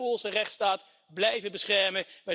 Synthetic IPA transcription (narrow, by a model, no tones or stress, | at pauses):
ɔlˠzərɛχtstaːt | blɛjvəbəsχɛɹməmɛ